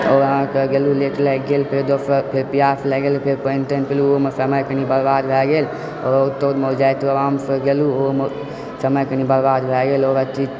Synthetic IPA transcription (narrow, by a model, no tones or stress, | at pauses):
ɔːɾɦãkəɡeluleʈləɡelpʰeɾd̪opʰeɾpijapləɡelpʰeɾpənt̪ənpeluomesəməjkənibəɾbad̪bʱɛɡeːl | ɔːɾout̪ːod̪mod͡ʒajt̪əʋamsəɡeluom | səməjkənibəɾbad̪bʱɛɡelɔːɾət̪i